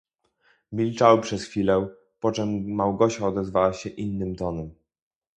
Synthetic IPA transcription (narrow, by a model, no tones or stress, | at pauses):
mʲilt͡ʂawɘpʂɛsxfʲilɛ | pɔt͡ʂɛmːawɡɔɕaɔd̪ɛzvawaɕɛʔinːɘmt̪ɔnɛm